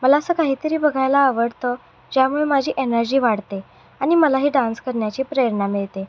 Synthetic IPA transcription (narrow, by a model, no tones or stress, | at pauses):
məlaəsəːkaɦiːt̪əɾiːbəɡʱajlaːʋəɽt̪ə | d͡ʑjamuɭemad͡ʑʱiːʔenəɾd͡ʑiːʋaɽt̪e | aɽ̃iməlaɦiːɖãnskəɾɳjat͡ɕiːpɾeəɾɳamiɭt̪e